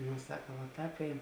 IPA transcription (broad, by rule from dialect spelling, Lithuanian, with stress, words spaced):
ˈnoː ˈsɑːkɐ ʋɐ ˈtɑːp ˈɛɪn